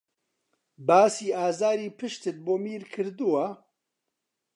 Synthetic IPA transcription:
baːsiːaːzaːɾiːpʰɨʃt̪ɨt̪̚boːmiːɾkʰɨɾd̪uwa

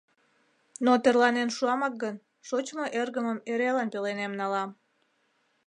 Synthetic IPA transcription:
not̪ərlɑnenʃuɑmɑk̚ɡən | ʃot͡ɕmoʔerɣəməmeɾelɑnpelenemnɑlɑm

